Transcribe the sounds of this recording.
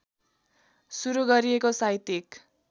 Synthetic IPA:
suɾuɡʌɾiekosaɦit̪ik

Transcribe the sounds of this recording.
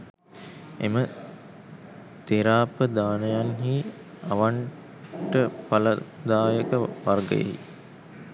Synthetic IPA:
ḛmə | t̪eɾaːpəd̪aːnəjanɦi | aʋaɳ | ʈəpaləd̪aːjəkəʋarɡə̰jə̰ɦḭ

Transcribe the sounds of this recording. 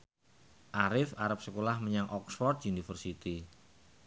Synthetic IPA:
ʔaɾɪfaɾap̚səkolahməɲaŋʔɔksfɔrt̪̚unifərsit̪i

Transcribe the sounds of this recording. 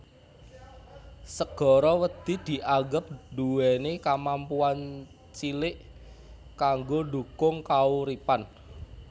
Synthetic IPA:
səɡ̥ɔ̤ɾɔwəd̪̥i̤d̪̥i̤ʔaɡəp̚duwɛnekamampuan | t͡ʃilɪʔ | kaŋɡodukʊŋkauɾipan

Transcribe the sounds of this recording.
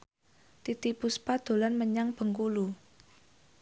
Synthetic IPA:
t̪it̪ipuspad̪̥o̤lanməɲaŋb̥ə̤ŋkulu

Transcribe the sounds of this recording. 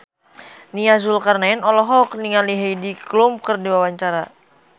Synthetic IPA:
niŋazʊlkarnaɪnɔlɔɦɔkniŋaliɦejdiklum̚kərdiwawaɲt͡ʃaɾa

